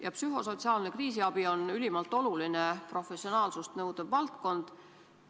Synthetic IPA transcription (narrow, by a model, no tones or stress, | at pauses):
jɑpsyɦo̞so̞t̪ʲsiɑːlne̞kriːs̬iɑb̥io̞nylʲimɑlt̪ːˑo̞luline̞pro̞fe̞sio̞nɑːlsust̪nɤwd̪̥ɑvvɑlt̪ko̞nd̪̥